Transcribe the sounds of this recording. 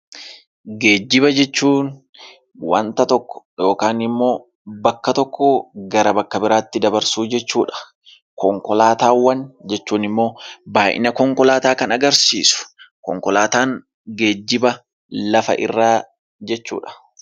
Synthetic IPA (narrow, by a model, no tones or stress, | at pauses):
ɡe̞ːd͡ʒːɪbɐd͡ʒɛt͡ʃːuːn | wɐnt̪ɐt̪ɔkːɔ̥jo̞ːkaːnɪmːo̞ː | bɐkːɐt̪ɔkʰːɔɡɐɾɐbɐkːɐbɪɾaːt̪ːɪd̪ɐbɐɾsuːd͡ʒɛt͡ʃːuːᶑɐ̥ | kɔŋkɔlaːt̪aːwːɐnd͡ʒɛt͡ʃːuːnɪmːo̞ːbaːʔɪ̰nɐkɔŋkɔlaːt̪aːkɐnɐɡɐɾsḭːsʊ̥kɔ̰ŋkɔlaːt̪aːŋ | ɡeːd͡ʒːɪbɐ | lɐfɐ̰ʔɪ̰rːaː | d͡ʒɛt͡ʃːṵːᶑɐ̥